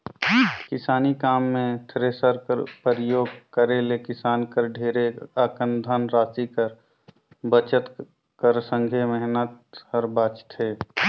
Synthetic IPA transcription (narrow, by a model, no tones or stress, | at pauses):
kɪsaːnikaːmːẽt̪ʰɾeːsəɾkə̰ɾpəɾjoːɡkəɾelekɪsaːnkəɾɖʱeːɾeaːkənd̪ʱənɾaːsikəɾ | bət͡ʃət̪ | kəɾsə̃ŋɡʱemɛɦnət̪həɾbaːt͡ʃt̪ɦeː